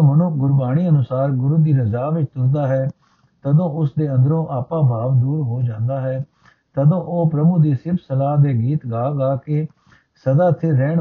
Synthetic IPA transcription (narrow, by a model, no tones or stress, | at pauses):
mənʊɡʊɾbaːɽ̃iːənʊsaːɾɡʊɾuːd̪iːɾəzaːʋɪt͡ʃt̪ʊɾd̪aːɦɛː | t̪əd̪õːʊsd̪eːə̃nd̪əɾõːʔaːpãːbʱaːʋd̪uːɾɦoːd͡ʒãːnd̪aːɦɛː | t̪əd̪õːʔoːpɾəmʊkd̪iːsɪbʰsəlaːd̪eːɡiːt̪ɡaːɡaːke | səd̪aːt̪ʰɪɾɛːɳ